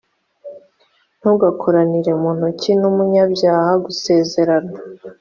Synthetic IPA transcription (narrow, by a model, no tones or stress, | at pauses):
n̥huɡakʰoɾaniɾe̞muːn̥ucinumuɲabjaːhaɡuse̞ːze̞ɾana